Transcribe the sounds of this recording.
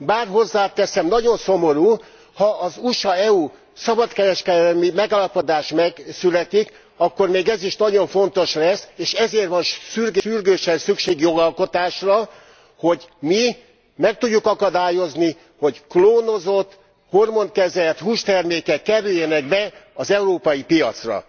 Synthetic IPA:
baːrɦo̞zːaːt̪ɛsɛmnɒɟo̞nsomo̞ɾuː | hɒʔːzuʃɒɛu | sɒbɒt̪kɛɾɛʃkɛd̪ɛmimɛɡaːlɒpo̞d̪aːʃmɛsylɛt̪ik | ɒkːormeːɡɛziʃnɒɟo̞ɱfo̞nt̪o̞ʃlɛseːʃɛzeːrʋɒnʃʃyrɡyrɡøːʃɛnsykʃeːɡjo̞ɡɒlko̞t̪aːʃrɒ | ho̞ɟmi | mɛk̚t̪uɟːukɒkɒd̪aːjo̞zni | ho̞ɟkloːno̞zo̞t̪ː | hormo̞nkɛzɛlt̪huːʃt̪ɛrmeːkɛkːɛɾyjːɛnɛɡbɛɒzɛuɾoːpɒjipijɒt̪srɒ̰

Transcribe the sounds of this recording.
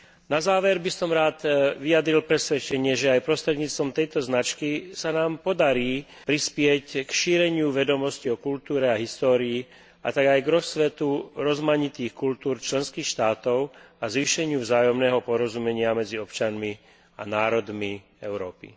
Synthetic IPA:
nazaːʋɛɾbisɔmɾaːt̪ʋiad̪ɾilpɾɛsʋɛt͡ʃɛɲɪɛʒɛajpɾɔst̪ɾɛd̪ɲiːt͡st̪ʋɔmt̪ɛjt̪ɔznat͡ʃkisanaːmpɔd̪aɾiː | pɾispɪɛckʃiːɾɛɲɪuʋɛd̪ɔmɔsciɔkult̪uːɾɛaɦist̪ɔːɾiː | a̰t̪aɡajɡɾɔsʋɛt̪uɾɔzmaɲit̪iːxkult̪uːɾt͡ʃlɛnskiːxʃt̪aːt̪ɔʊ | azʋiːʃɛɲɪuvzaːjɔmnɛːɦɔpɔɾɔzumɛɲɪamɛd͡ziɔpt͡ʃanmi | a̰naːɾɔd̪mi | ɛʊɾɔːpḭ

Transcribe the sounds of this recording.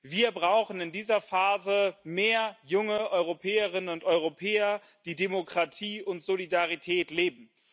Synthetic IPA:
viːɐbʁaʊxn̩ɪndiːzɐfaːzəmeːɐjʊŋəʔɔʏʁopʰɛːəʁɪnənʊntʔɔʏʁopʰɛːɐ | d̥iːdemokʁ̥atʰiːʊntz̥olidaʁitʰɛːtleːbm̩

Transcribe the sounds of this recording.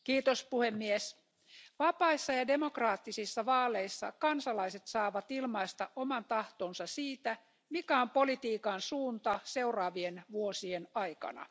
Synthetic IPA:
kiːt̪ospuhemːies | ʋɑpɑisːɑjɑde̞mokrɑːt̪ːisisːɑʋɑːleisːɑ̰kɑnsɑlɑiset̪sɑːʋɑt̪ilmɑist̪ɑʔomɑnt̪ɑht̪oːnsɑsiːt̪æ | mikæo̞mpo̞lit̪iːkɑnsuːnt̪ɑseurɑːʋienʋuosienɑikɑ̰nɑ̰

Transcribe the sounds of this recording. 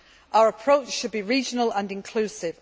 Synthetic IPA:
ʔaʊəɹəpʰɹ̥oʊt͡ʃʃəd̚biɹiːd͡ʒənələ̃nɪ̃nkʰl̥ʉːsɪv

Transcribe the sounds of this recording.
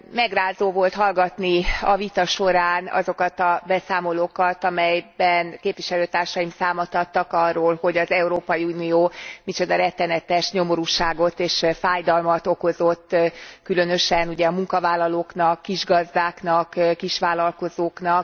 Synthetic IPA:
mɛɡraːzoːvo̞lt̪hɒlɡɒt̪niɒvit̪ɒʃo̞ɾaːnɒ̰zo̞kɒt̪ɒbɛsaːmo̞loːkɒt̪ɒmɛjbɛnkeːpvʋiʃɛløːt̪aːrʃɒimsaːmɒt̪ɒt̪ːɒkɒrːoːlho̞ɟɒzɛuɾoːpɒjiuːnijoːmit͡ʃo̞d̪ɒɾɛt̪ːɛnɛt̪ɛʃɲo̞mo̞ɾuːʃaːɡo̞t̪eːʃfaːjd̪ɒlmɒt̪o̞ko̞zot̪ːkylø̞nø̞ʃɛnuɟɛɒmuŋkɒvaːlːɒloːknɒkːiʒɡɒzd̪aːknɒkkiʃʋaːlɒlko̞zoːknɒk

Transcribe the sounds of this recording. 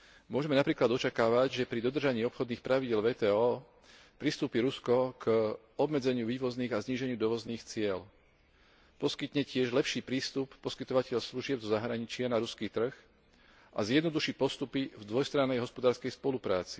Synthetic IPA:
mʊɔʒɛmɛnapɾiːklad̪ɔt͡ʃakaːʋaɟʒɛpɾid̪ɔd̪r̩ʒaɲiːɔpxɔd̪niːxpɾaʋiɟɪɛlʋɛːt̪ɛːɔː | pɾist̪uːpiɾuskɔk | ɔbmɛd͡zɛɲɪuʋiːʋɔzniːɣazɲiːʒɛɲɪud̪ɔʋɔzniːxt͡sɪɛl | pɔskit̪ɲɛcɪɛʒlɛpʃiːpɾiːst̪upːɔskit̪ɔʋacɛʎsluʒɪɛbzɔzaɦɾaɲit͡ʃɪanaɾuskit̪r̩x | ʔazjɛd̪nɔd̪uʃiːpɔst̪upivd̪ʋɔjst̪ɾanːɛjɦɔspɔd̪aːɾskɛjspɔlupɾaːt͡si̥

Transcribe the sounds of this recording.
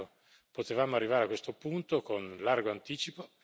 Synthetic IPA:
o | pot̪evaːmoarːivaːɾeakwest̪opunt̪okonlarɡoant̪iːt͡ʃipo

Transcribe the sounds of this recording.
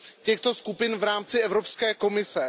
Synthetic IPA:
cɛxt̪o̞skupɪnvɾaːmt͡sɪʔɛvɾopskɛːko̞mɪsɛ

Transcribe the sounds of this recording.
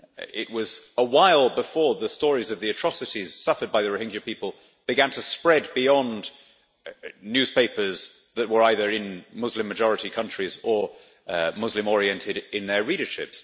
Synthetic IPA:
ɪ̰ʔ̚wʌzəwaɪlˠbɨfɔɹðəstɔɹizʌvðiɨtʰɹ̥ɑsɨɾiz̥sʌfə˞d̚baɪðɨɹɨhɪ̃nd͡ʒɨpipəl̩ˠ | b̥ɨɡæ̃ntʰəspɹɛd̚biɒ̃n | njʉz̥peɪpə˞z | ðəʔ̚wə˞aɪðə˞ɪ̃nmʊzlɨ̃mːɨd͡ʒɔɹɨɾikʰʌ̃nt͡ʃɹ̥izə˞ | mʊzlɨ̃mɔɹiɛ̃ntʰɪɾɪ̃nðə˞liɾə˞ʃɪ̰ps

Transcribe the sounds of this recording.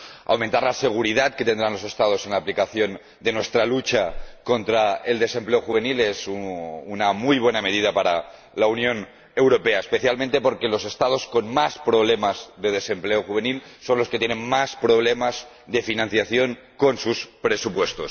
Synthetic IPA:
a̰wmẽnt̪aɾlase̞ɣ̞uɾiðat̪ke̞t̪end̪ɾanlo̞se̞st̪að̞o̞se̞nlaːplikaθjo̞n | d̪e̞nwe̞st̪ɾalut͡ʃako̞nt̪ɾae̞ld̪e̞se̞mpleoxuβ̞e̞nilesuːnamujβwe̞name̞ðið̞apaɾa̰ | launjõ̞n | e̞wɾo̞pe̞aespe̞θjalmẽnt̪e̞po̞ɾkelo̞se̞st̪að̞o̞sko̞nmaspɾo̞β̞le̞mazðe̞ð̞e̞se̞mpleoxuβe̞nilso̞nlosket̪jene̞nmaspɾo̞β̞le̞maz | d̪e̞finãn̟θjaθjo̞ŋ | ko̞nsuspɾe̞supwe̞st̪os

